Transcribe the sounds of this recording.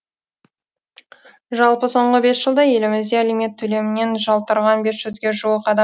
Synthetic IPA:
ʒɑlˠpəso̞ɴʁəbe̞sʒəlˠd̪ɑje̞lɪmɪzd̪e̞æleme̞t̪ʰːɵle̞mɪne̞nʒɑlˠt̪əɾʁɑnbe̞sʒ̥ʏzɡʲe̞ʒuwəqɑd̪ɑ

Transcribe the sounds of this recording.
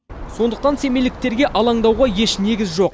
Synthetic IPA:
so̞nd̪əq̚t̪ɑnse̞mejlɪk̚t̪e̞ɾɡʲe̞ʔɑlˠɑɴd̪ɑwʁɑje̞ʃne̞ɡʲɪzʒo̞q̚

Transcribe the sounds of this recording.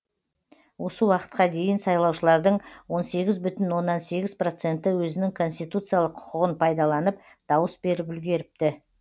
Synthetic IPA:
wo̞səwɑqə̥t̪̚qɑd̪e̞jɪnsɑjlˠɑwʃəlˠɑɾd̪əɴwo̞nse̞ɡʲɪzbʏt̪ɪnwo̞nːɑnse̞ɡʲɪzpro̞t̪se̞nt̪ɪwɵzɪnɪŋkʰo̞nst̪ijt̪ut̪sɨjalˠəqʰːʊ̥qəʁənpʰɑjd̪ɑlˠɑnəp | d̪̥ɑwəsbe̞ɾɪpʏlɡʲe̞ɾɪp̚t̪ɪ

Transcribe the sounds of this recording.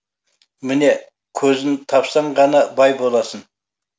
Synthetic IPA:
mɪne̞ | kʲʰɵzɪnt̪ʰɑpsɑɴʁɑnɑbɑjbo̞lˠɑsən

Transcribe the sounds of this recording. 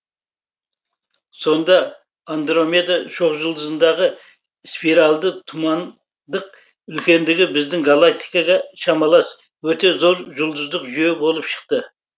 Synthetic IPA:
so̞nd̪ɑ | and̪ɾo̞mʲed̪aʃo̞qʒəlˠd̪əzənd̪ɑʁə | spiɾɑlˠd̪ət̪ʰʊmɑn | d̪əq̚ | ʏlkʲe̞nd̪ɪɡʲɪbɪzd̪ɪŋɡalˠak̚t̪ijkɑʁɑʃɑmɑlˠɑs | wɵt̪e̞zoɾʒʊlˠd̪əzd̪əqʒyjebo̞lˠəpʃə̥q̚t̪ə

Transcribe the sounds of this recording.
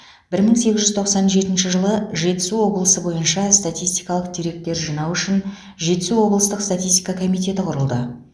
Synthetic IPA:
b̥ɪɾməŋse̞ɡʲɪzʒʏzt̪ʰo̞qsɑnʒe̞t̪ɪnʃɪʒəlˠəʒe̞t̪ɪ̥suwo̞blˠəsəbo̞jənʃɑst̪at̪ijst̪ijkɑlˠəqd̪eɾe̞k̚t̪e̞ɾʒinɑwʏʃɪn | ʒe̞t̪ɪ̥suwo̞blˠəst̪əqst̪at̪ist̪ijkɑkʰo̞mijt̪e̞t̪ɪqʰʊɾəlˠd̪ə

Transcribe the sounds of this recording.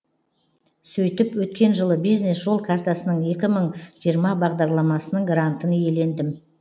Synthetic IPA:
sɵjt̪ɪpwɵt̪kʲe̞nʒəlˠəbijzne̞sʒo̞lˠkʰart̪asənəɴje̞kʲɪməɴʒ̥ijəɾmɑbɑʁd̪ɑɾlˠɑmɑsənəɴɡɾant̪ənje̞le̞nd̪ɪm

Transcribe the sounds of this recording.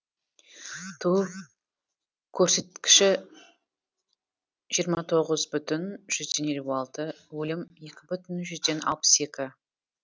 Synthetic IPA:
t̪ʰuəp | kʲʰːɵɾse̞t̪̚kʲɪ̥ʃɪ | ʒijəɾmɑt̪ʰo̞ʁəzbʏt̪ʏnʒ̥ʏzd̪e̞njeluɑlˠt̪ə | wɵlɪmje̞kʲɪbʏt̪ɪnʒʏzd̪e̞nɑ̰lˠpə̥se̞kʲɪ

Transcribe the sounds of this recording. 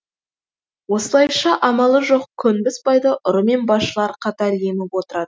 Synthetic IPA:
wo̞səlˠɑjʃɑʔɑmɑlˠəʒo̞qkʲʰːʏnbɪspɑjd̪əʔʊɾəme̞nbɑsʃəlˠɑɾqʰɑt̪ɑɾle̞mɪpwo̞t̪əɾɑd̪ə

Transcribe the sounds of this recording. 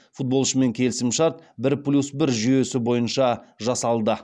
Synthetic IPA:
fut̪̚bo̞lˠʃəme̞ŋkʲʰe̞lɪsɪmʃɑt̪̚bɪɾplʲusbɪɾʒijesɪbo̞jənʃɑʒɑsɑlˠd̪ə

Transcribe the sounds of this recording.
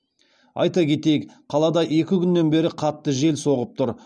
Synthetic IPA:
ɑ̰jt̪ɑkʲʰe̞t̪e̞jɪkqʰɑlˠɑd̪ɑʔe̞kʲɪkʲʰʏnːe̞nbe̞ɾɪqʰɑt̪ːəʒe̞lso̞ʁəp̚t̪ʰʊɾ

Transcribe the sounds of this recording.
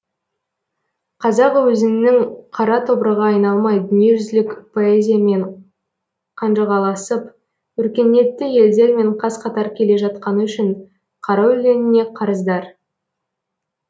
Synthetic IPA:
qʰɑzɑqwɵzɪnːɪŋqʰɑɾɑt̪ʰo̞bɾəʁɑːjnɑlˠmɑjd̪ʏnije̞ʒʏzlɪkpʰo̞ezʲijame̞ɴ | qʰɑnʒɑʁɑlˠɑsəp | ʏɾkʲe̞ne̞t̪ːɪje̞ld̪e̞ɾme̞ɴqʰɑsqʰɑt̪ɑɾkʲʰe̞le̞ʒɑt̪qɑnəʏʃɪɴ | qʰɑɾɑʏlʲe̞nɪne̞qʰɑɾəzd̪ɑɾ

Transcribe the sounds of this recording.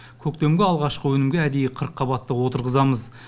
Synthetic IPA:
kʲʰɵk̚t̪e̞mɡʲeɑlˠʁɑʃqəwɵnɪmɡʲeæd̪e̞jqʰəɾəqʰːɑbɑt̪ːəwo̞t̪əɾʁəzɑməz

